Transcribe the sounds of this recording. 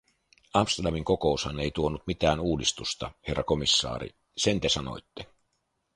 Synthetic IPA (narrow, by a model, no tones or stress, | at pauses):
ɑmst̪erdɑmiŋko̞ko̞ushɑneijt̪uonːut̪mit̪æːnuːdist̪ust̪ɑhe̞rːɑko̞misːɑ̰ːɾḭ | se̞nt̪esɑno̰jt̪ːe